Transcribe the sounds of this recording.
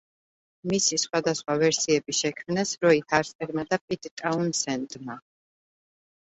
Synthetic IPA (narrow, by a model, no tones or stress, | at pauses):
misisχwad̪asχwavɛɾsiɛbiʃɛkʰmnɛsɾɔit̪ʰaɾsʼɛɾmad̪apʼit̪ʼt̪ʼaunsɛnt̪ʼma